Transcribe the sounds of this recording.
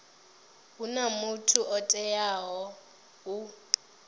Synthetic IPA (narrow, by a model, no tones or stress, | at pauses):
unamutʰuʔɔtʼɛjaɦɔ | ɦu